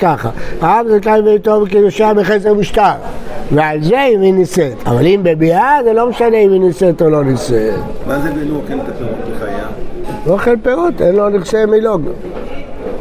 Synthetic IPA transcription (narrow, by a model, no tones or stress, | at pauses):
kaχa̰aamzetajmbejt̪ovkejoʃeabeχes̬ʁemiʃt̪alvealzeiminiset̪a̰valimbebiazelo̞meʃaneiminiset̪olo̞nisetmazebeloχelkat̪oeχajaoχelpeʁot̪enloniχsemiloɡ